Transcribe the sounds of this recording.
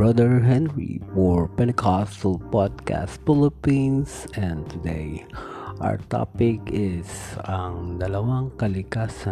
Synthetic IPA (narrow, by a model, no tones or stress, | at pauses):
ɹʌd̪ɛɹɦɛnɹḭfɔɹpɛnɪkʰast̪ɐlpad̪̚ka̰st̪̚fɪlɪpĩnsʔɛ̃nt̪ʊd̪ḛjʔa̰ɹt̪a̰pɪkɪsɐŋd̪ɐlɐwaŋkɐlɪkaːsa